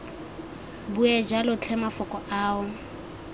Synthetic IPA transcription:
buɛd͡ʒalʊt͡ɬʰɛmafʊkʼɔaːʊ

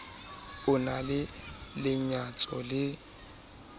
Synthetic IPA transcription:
ʊnalɪlɪɲat͡sʼɔlɪ

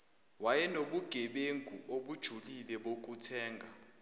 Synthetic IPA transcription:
wajɛnoɓuɡ̥ʱɛɓeŋɡʱṵoɓud̥ʒ̥ʱulilɛɓok̬ʼutʰɛːŋɡʱa̰

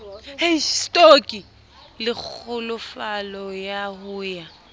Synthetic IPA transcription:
hestʼokʼi | lɪk͡xʰʊlʊfalɔjahʊːja

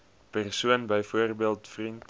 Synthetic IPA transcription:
pærsuənbəjfuərbiəlˠtfrint

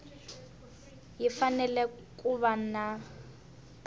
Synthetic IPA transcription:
jifanɛlɛ | kʼuβana

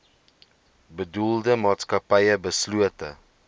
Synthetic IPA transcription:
bəduldəmɑːtskɐpɛjəbəsluətə

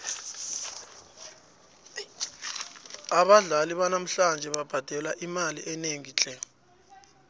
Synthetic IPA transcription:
aɓaɮaliɓanam̩ɬand͡ʒʱɛɓab̥ʱad̥ʱɛlaʔimalḭʔɛneŋiːt͡ɬʼɛ

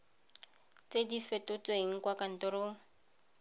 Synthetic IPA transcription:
t͡sedifɛtʊt͡sʼeɦiŋ̩kwakan̩tɔɾoːŋ̩

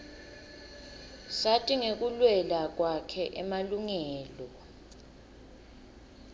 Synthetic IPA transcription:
satʼiŋek̬ulwɛlak̬wakʰɛʔɛmaluŋɛːlɔ

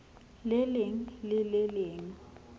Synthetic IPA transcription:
lɪlɪŋ̩lɪlɪleːŋ̩

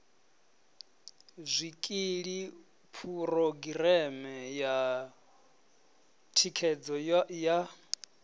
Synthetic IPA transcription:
zʷikʼiɺi | pʰuɾoɡiɾɛmɛja | tʰikʰɛd͡zɔja

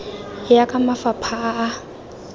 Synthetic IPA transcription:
jakʼamafapʰaʔː

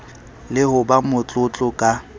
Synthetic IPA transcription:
lɪhʊbamʊt͡ɬʼʊt͡ɬʼʊkʼa

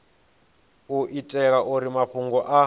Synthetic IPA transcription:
uʔitʼɛk̬aʔuɾimaɸuŋɡɔʔa

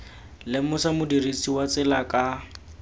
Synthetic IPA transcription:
lɪmʊsamʊdirit͡sʼiwat͡sɪlakʼa

